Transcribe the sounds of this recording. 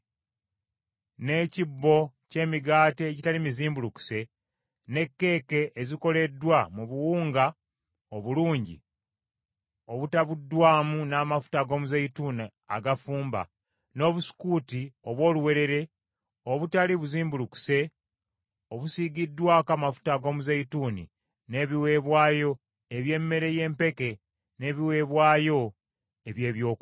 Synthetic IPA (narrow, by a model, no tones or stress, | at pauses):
ne̞ːcibːo̞ce̞ːmiɡaːte̞ːɟitalimiziːmbuluku̥se̞ | ne̞kːe̞ːke̞ʔːziko̞le̞dːwamuβuwuːŋɡa | oβuluːɲɟḭ | o̞βutaβudːwaːmunaːmafu̥taɡo̞ːmuzeituna | a̰ɡafuːmba̰ | no̞ːβusi̥kuːtio̞βwo̞ːluwe̞ɾe̞ɾe̞ | oβutaliβuziːmbuluku̥se̞ | oβusiɡidːwakamafu̥taɡo̞ːmuzeituːnḭ | ne̞βiwe̞βwaːjo̞ | eβje̞mːe̞ɾe̞je̞ːmpe̞ke̞ | ne̞ːβiwe̞ːβwaːjo̞ | eβje̞ːβjo̞ːk